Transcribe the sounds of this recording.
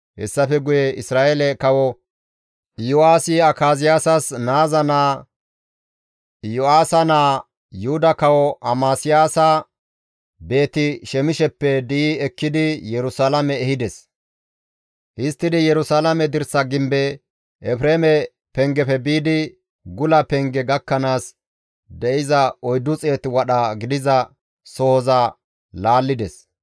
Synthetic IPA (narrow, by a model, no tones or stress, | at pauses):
hɛ̰sːɐfɛɡʊjɛɪsɾaːelɛkɐwɔ | jʊaːsɪɐkaːzɪjaːsɐsnaːzɐnaː | jʊaːsɐnaː | jʊhʊd̪ɐkɐwɔʔɐmaːsɪjaːsɐ | be̞ːt̪ɪʃɛmɪʃɛpːɛd̪iɛkːɪd̪ɪjɛɾʊsalɐmɛːhɪd̪ɛs | hɪst̪ːɪd̪ɪjɛɾʊsalɐmɛd̪ɪɾsɐɡɪmbɛ | ʔɛfɾeːmɛ | pɛŋɡɛfɛbiːd̪ɪ | ɡʊlɐpɛŋɡɛɡɐkːɐnaːs | d̪ɛʔɪzɐɔjd̪ʊt͡sʼe̞ːt̪ɪwɐɗɐɡɪd̪ɪzɐ | soːzɐ | laːlːɪd̪ɛs